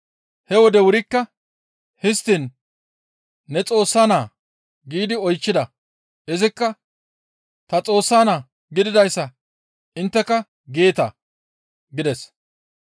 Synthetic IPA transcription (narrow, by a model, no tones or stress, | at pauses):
hɛwɔd̪ɛwʊɾɪkːɐ | hɪst̪in | ɛt͡sʼo̞ːsːaːnaː | ɡiːd̪ɪɔjt͡ʃːɪd̪ɐ | ɪzɪkːɐ | t̪ɐt͡sʼo̞ːsːaːnaː | ɡɪd̪ɪd̪ɐjsːɐ | ʔɪnt̪ːɛkɐ | ɡeːt̪ɐ | ɡɪd̪ɛs